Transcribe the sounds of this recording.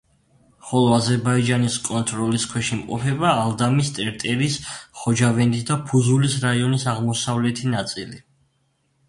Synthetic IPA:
χɔlˠɔazɛɾbaid͡ʒaniskʼɔnt̪ʼɾɔliskʰwɛʃimqʼɔ̰pʰɛbaːlˠd̪amist̪ʼɛɾt̪ʼɛɾisχɔd͡ʒavɛnd̪isd̪apʰuzulisɾaiɔnisaʁmɔsavlɛt̪ʰinat̪sʼili

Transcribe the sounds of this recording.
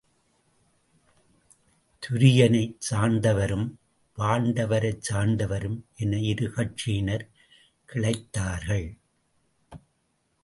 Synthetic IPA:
t̪ʰʊɾɪjɐnɐɪt͡ʃaːnd̪ɐʋɐɾɯm | ʋaːnd̪ɐʋɐɾɐɪt͡ʃaːnd̪ɐʋɐɾɯmʔɛnɐɪɾɯɣɐʈt͡ʃinɐɾ | kɪɭɐɪt̪ːaːɾɣɐɭ

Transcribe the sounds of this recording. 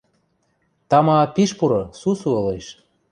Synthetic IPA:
t̪ɑmɑpiʃpuɾosusuɤ̆lejʃ

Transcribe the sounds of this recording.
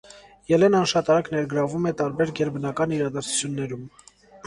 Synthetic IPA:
jɛlɛnɑnʃɑt̪ɑɾɑknɛɾɡəɾɑvumɛt̪ɑɾbɛɾɡɛɾbənɑkɑniɾɑd̪ɑɾt͡sʰu̥t͡sʰjunːɛɾum

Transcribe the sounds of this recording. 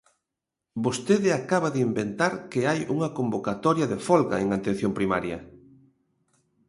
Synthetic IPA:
bost̪eðɪakaβaðɪimbent̪aɾkeajuŋɐkombokat̪ɔɾjɐðefɔlɣɐeŋant̪ẽn̟θjompɾimaɾjɐ̰

